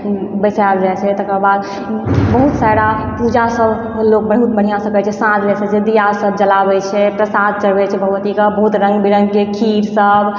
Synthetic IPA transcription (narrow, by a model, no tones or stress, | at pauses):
bəsabd͡ʒat͡ʃʰɛt̪əkəbad̪ | bəɦut̪saɾa | pud͡ʒasəbʱ | lok̚bəɽ̤ɦut̪̚bəɽ̤ijasəkɛt͡ʃʰɛsãd͡ʒɛsəd͡ʒed̪ijasəb̚d͡ʒəlabɛt͡ʃʰɛpɾəsad̪̚t͡ʃəɾbɛt͡ʃʰɛbʱəʋət̪ikəbəɦut̪ɾə̃ŋɡbiɾə̃ŋɡkekʰiɾsəb